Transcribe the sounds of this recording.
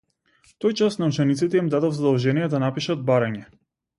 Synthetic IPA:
t̪ojt͡ʃasnaut͡ʃɛnit̪sit̪ɛimd̪ad̪ɔvzad̪ɔlˠʒɛnijɛd̪anapiʃad̪̚baɾaɲɛ

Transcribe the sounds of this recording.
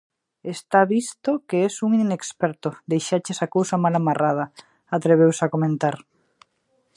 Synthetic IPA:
est̪aβist̪okeesuŋinekspɛɾt̪od̪ejʃat͡ʃesakowsamalamarʔað̞ɐ | at̪ɾeβ̞ewsakomẽnt̪aɾ

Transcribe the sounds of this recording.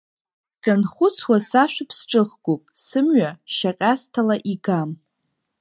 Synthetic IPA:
sanχʷʊt͡sʰwasaʃʷᶣɪpʰsʈ͡ʂʼɨχɡʷopʼsɨmɥaʃaqʲʼastʰalaʔiɡam

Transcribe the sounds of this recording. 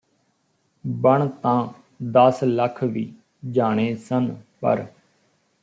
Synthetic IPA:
bəɳt̪ãː | d̪əsləkʰʋiː | d͡ʒaːɽ̃eːsənpə̰ɾ

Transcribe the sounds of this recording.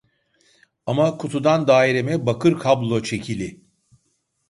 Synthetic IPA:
amakʰut̪ʰud̪and̪aːiɾemɛbakʰɯɾkʰablˠo̞t͡ʃʰe̞cʰilʲɪ

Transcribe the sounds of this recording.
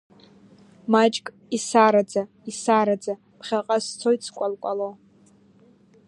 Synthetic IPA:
mat͡ʃʼkʼ | isaɾad͡za | isaɾad͡za | pʰχʲaqʼast͡sʰojt͡sʰkʷʼalkʷʼalo

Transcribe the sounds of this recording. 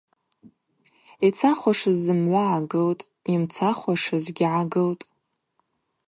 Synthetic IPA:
it͡sʰaχʷaʂɨzːɨmʕʷaʕaɡɨltʼ | imt͡sʰaχʷaʂɨzɡʲɪʕaɡɨltʼ

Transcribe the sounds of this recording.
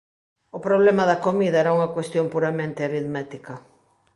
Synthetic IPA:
ʊpɾoβ̞lemɐðɐkomiðɐɛɾauŋɐkwest̪jompuɾamẽnt̪ɪaɾiðmɛt̪ikɐ

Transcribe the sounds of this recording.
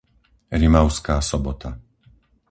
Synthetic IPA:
ɾimaʊskaːsɔbɔt̪a

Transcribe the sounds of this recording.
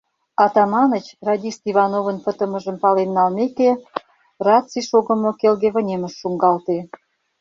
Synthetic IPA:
ɑt̪ɑmɑnət͡ɕrɑdʲist̪iβɑnovənpə̆t̪əmə̆ʒə̆mpɑlenːɑlmeke | rɑt͡siʃoɣə̆mokelɣeβə̆nʲemə̆ʃːuŋɡɑlt̪e

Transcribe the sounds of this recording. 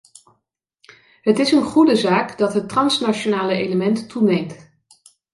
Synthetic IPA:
ɦətɪsənχudəzaːkdɑtɦətrɑnsnat͡ʃonaːləejləmɛntːunejmt

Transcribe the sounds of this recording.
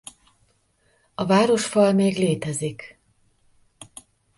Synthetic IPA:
ɒvaːɾo̞ʃfɒlmeːɡleːt̪ɛzik

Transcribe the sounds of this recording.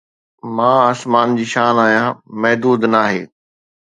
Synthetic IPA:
mãːəsmaːnd͡ʑiːʃaːnaːɦjãmɐɦd̪uːd̪naːɦeː

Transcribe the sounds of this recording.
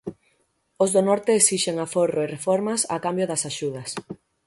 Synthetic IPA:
ozðonɔɾt̪eesiʃeŋaforoerefɔɾmɐsa̰kambjoðɐsaʃuðɐs

